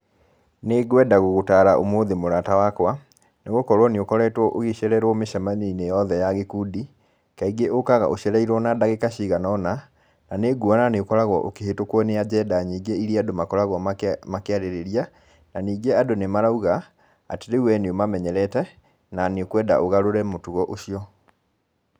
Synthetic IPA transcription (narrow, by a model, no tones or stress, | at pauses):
neɡwɛdaɣoɣotaɾaʔomoðemoɾatawakwa | neɣokɔɾwɔneokɔɾɛtwɔʔoɣeɕɛɾɛɾwɔmeʃamaɲinejɔðɛjaɣekuːdi | kaiɡeʔokaɣa̰ʔoɕɛɾɛiɾwɔnadaɣekaɕiɣanɔna | naneɡuananeokɔɾaɣwɔʔokeɦetokwɔnead͡ʑɛdaɲiːɡeiɾiadomakɔɾaɣwɔmakeaɾeɾeɾia | naniːɡeadonemaɾauɣa | a̰teɾewɛneomamɛɲɛɾɛtɛ | naneokwɛda̰ʔoɣaɾoɾɛmotuɣɔʔoɕiɔ